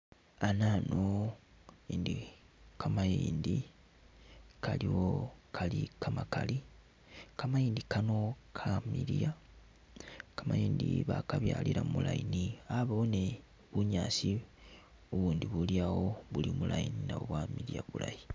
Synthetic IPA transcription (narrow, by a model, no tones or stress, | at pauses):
anano | ind̪i | kamajiːndi | kaliwokʰalikamakali | kamajiːndikano̞kʰamiɾja | kamajiːndiβakaβjaːliɾamumulajiniaβaone | βuɲaːsi | uβuːnd̪iβuljawoβulimulajininaβoβwamiɾjaβulaji